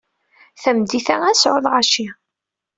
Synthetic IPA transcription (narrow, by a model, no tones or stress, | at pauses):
θæmd̪iθææsʕʊðˤʁaʃi